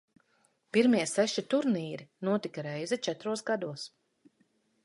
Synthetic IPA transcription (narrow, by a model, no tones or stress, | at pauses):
piɾmiɛsɛʃit̪uɾniːɾinuɔt̪ikaɾɛjzɛt͡ʃɛt̪ɾuɔsɡad̪uɔs